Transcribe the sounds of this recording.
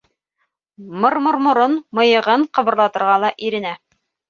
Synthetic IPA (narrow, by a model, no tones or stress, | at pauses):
mŏɾmŏɾmŏɾonmɤ̆jɤ̆ʁɤɴqɤ̆βɤ̆ɾlˠɑt̪ɤ̆ɾʁɑlˠɑʔiɾɘ̆næ